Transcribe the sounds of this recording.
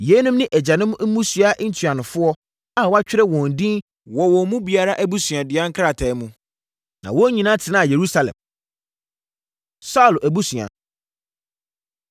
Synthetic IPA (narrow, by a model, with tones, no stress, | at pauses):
je˨˦nũ˦mnɪ̃˦ʔæ˨d͡ʑa˨nɪ̃˦m̩̃˦mũ˦sɥa˦ʔn̩˦tʰɥa˨nʊ̃˨fʊ˦ɔ˦ | a˨wa˦t͡ɕᶣɪ˦ɾɛ˦wɔ̃˨n̩˨dĩ˦n | wɔ˨wɔ̃˨˦mũ˦bi˨a˨ɾa˦ʔæ˦bu˦sɥã˨dɪ˨a˦ŋ̩˦kʰɾa˦˨tʰɛ˨˦mũ˦ | nã̰˨wɔ˦ɲĩ˨nã˦tʰɪ˨nã˦˨je˨ɾu˦sa˨lɛ̰̃˨m | sa˦u˨lʔæ˨bu˦sɥ̃a̰˨